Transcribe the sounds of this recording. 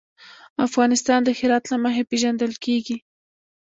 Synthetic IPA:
afɣɑnɪst̪ɑnd̪əxɪɾɑt̪laməxepeʒand̪əlkeɡi

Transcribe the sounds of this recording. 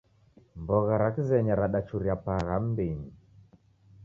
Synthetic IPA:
mbɔɣaɾakizɛɲaɾaɗat͡ʃuɾiapaɣam̩beɲi

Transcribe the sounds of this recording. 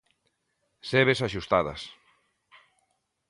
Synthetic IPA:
seβesaʃust̪aðɐ̰s

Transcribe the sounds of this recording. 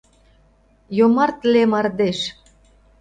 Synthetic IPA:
jomɑrt̪lemɑrd̪eʃ

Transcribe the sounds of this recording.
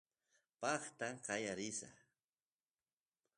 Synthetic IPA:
pɑχt̪aqɑjaɾɪsa̰

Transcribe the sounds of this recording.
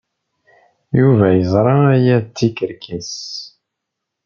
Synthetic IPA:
juvæjəzˤɾˤɑæjæt̪ːikəɾkis

